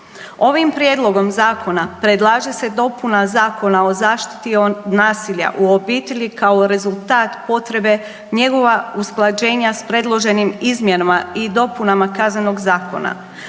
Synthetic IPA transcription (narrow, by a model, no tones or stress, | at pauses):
o̞ʋimpɾjed̪lˠo̞ɡo̞mzaːkʰo̞napɾed̪lˠaːʒe̞se̞d̪o̞punazaːko̞nao̞zaːʃt̪i̥t̪ionaːsiʎa̰ʔuo̞biːt̪e̞ʎikao̞ɾe̞zulˠt̪aːt̪po̞t̪ɾe̞be̞ | ɲe̞ɡo̞ʋausklˠad͡ʑe̞ːɲaspɾe̞d̪lˠo̞ʒe̞nimizmjenamaid̪o̞punamakazneno̞ɡzaːko̞̰na̰